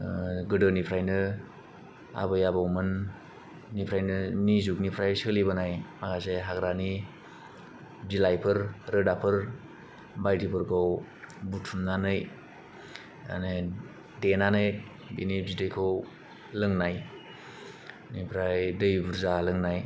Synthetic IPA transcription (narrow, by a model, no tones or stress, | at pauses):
ɡɯdɯnipʰɾajnɯ | a̰bɯjabawmɯnː | ipʰɾajnɯnizuk̚nipʰɾajsɯlibɯnajmaɡaseɦaɡɾani | bilajpʰɯɾɾɯdapʰɯɾ | bajdipʰɯɾkʰow | butʰumnanɯj | a̰ne | denanɯj | binibzidɯjkʰɯw | lɯŋnaj | nipʰɾajdɯjbuɾzalɯŋnaj